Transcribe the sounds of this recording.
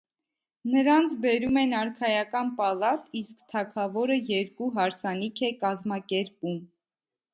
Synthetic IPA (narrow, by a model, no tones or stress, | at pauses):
nəɾɑnt͡sʰbɛɾumɛnɑɾkʰɑjɑkɑnpɑlɑt̪iskt̪ʰɑkʰɑvɔɾəjɛɾkuɦɑɾsɑnikʰɛkɑzmɑkɛɾpum